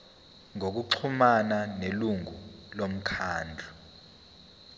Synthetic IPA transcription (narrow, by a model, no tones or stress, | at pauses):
ŋok̬uǀʰumananeluŋulom̩kʰaːnd͡ɮʱu